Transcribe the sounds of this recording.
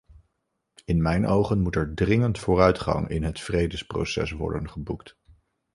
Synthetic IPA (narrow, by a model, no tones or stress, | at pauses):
ɪnmɛjnʔowχənmutɛɹdrɪŋəntfʊːrœɥtχɑ̰ŋɪ̰nɦətfrejdəspro̰wsɛ̰sʋɔ̰ɹdənχəbukt